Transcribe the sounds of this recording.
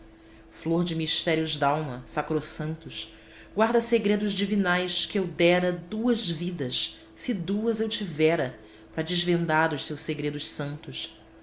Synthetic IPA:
floɾd͡ʒɪmiʃt̪ɛɾiʊzd̪awmɐsakɾosɐ̃nt̪ʊs | ɡwaɾd̪ɐseɡɾed̪ʊzd͡ʒivinajskɪewd̪ɛɾɐd̪uɐzvid̪ɐs | sɪd̪uɐzewt͡ʃivɛɾɐ | pɾɐd͡ʒɪzvẽnd̪aɾʊʃsewʃsseɡɾed̪ʊʃsɐ̃nt̪ʊʃ

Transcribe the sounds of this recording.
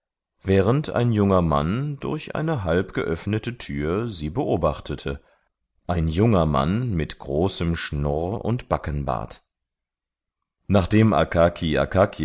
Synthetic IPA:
vɛːʁəntʰa̰ɪnjʊŋɐma̰nd̥ʊ̰ɐçʔa̰ɪnəɦalpɡ̥ə̰ʔœfnətətʰyːɐziːbəʔoːbaχtʰətʰə | ʔaɪnjʊŋɐma̰nmɪtɡ̥ʁoːsəmʃnʊʁʊ̰ntb̥akənba̰ːt | naːχd̥eːmʔa̰kʰakʰiʔa̰kʰakʰi

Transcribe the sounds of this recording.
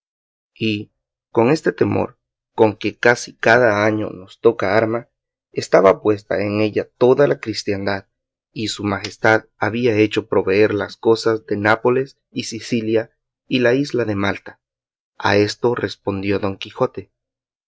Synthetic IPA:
i | ko̞ŋe̞st̪e̞t̪e̞mo̰ɾ | ko̞ŋke̞kasikaðaaɲo̞̰no̞st̪o̞kaaɾma | est̪aβapwe̞s̬t̪a̰eŋe̞ʝat̪o̞ðalakɾist̪jand̪að | isumaxe̞st̪aðaβiae̞t͡ʃo̞pɾo̞βe̞e̞ɾlasko̞sazd̪e̞napo̞le̞s | isisilja | ilaizlaðe̞malt̪ḁ | a̰e̞st̪o̞re̞spo̞nd̪jo̞ðo̞ŋkixo̞t̪e

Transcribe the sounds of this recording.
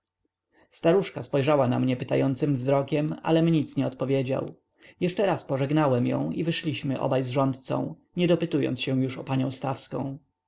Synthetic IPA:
st̪aɾuʂkaspɔjʐawana̰mɲɛpɘt̪ajɔnt̪sɘmvzɾɔkʲɛma̰lɛmɲit̪sɲɛɔt̪pɔvʲjed͡ʑa̰w | jɛʂt͡ʂɛɾaspɔʐɛɡnawɛmjɔ̰̃w̃ivɘʂlʲiɕmɘʔɔ̰bajzʐɔnt̪t̪sɔ̰̃w̃ | ɲɛd̪ɔpɘt̪ujɔ̰nt̪sɕɛ̃w̃juʂɔpaɲɔ̃w̃st̪afskɔ̰̃w̃

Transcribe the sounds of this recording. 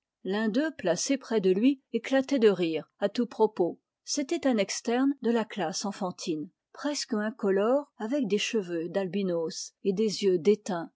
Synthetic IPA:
lɛ̃d̪øplasepχɛd̪əlɥieklat̪ɛd̪əʁiːʁat̪upχɔpo | set̪ɛt̪ɛ̃nɛkst̪ɛʁnd̪əlaklasɑ̃fɑ̃t̪ʰin | pχɛskɛ̃kɔlɔʁavɛk̚d̪eʃəvød̪albinosed̪ezjød̪et̪ɛ̃

